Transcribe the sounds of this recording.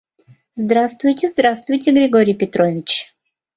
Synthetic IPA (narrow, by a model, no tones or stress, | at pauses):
zd̪ɾast̪vʊjtʲɪzd̪ɾast̪vʊjtʲɪɡɾʲɪɡoɾʲɪjpʲɪt̪ɾovʲɪt͡ɕ